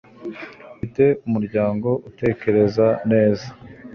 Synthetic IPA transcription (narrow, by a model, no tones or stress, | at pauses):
ite̞umuɾɟaːŋɡo̞ʔute̞ːke̞ɾe̞zane̞ːzḁ